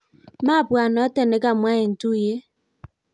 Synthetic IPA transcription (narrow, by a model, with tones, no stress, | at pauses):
ma˦˨bwa˨nɔ˨˦te˨ne˨˦ka˨mwa˦je˨n̩˨tu˦˨je˦